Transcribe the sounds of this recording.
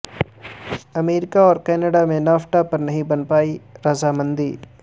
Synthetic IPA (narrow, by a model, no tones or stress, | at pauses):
ɐmeːɾɪkaɔːɾkɛːnəɖamẽnaːfʈapɐɾnɐɦĩbɐnpaːiɾɐzamɐ̃nd̪iː